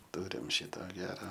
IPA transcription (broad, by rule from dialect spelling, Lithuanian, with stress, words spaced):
ˈtʊrʲɪm ˈʃʲɪtoː ˈɡʲæːrɐ